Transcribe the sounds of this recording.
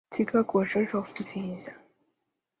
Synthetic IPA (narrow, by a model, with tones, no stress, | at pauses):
t͡ɕʰi˥˩kʰɤ˥kwɔ˨˩ʂə˥nʂo˧˥ʊfu˥˩t͡ɕʰi˧˥ni˧˩ɕja˨˩˦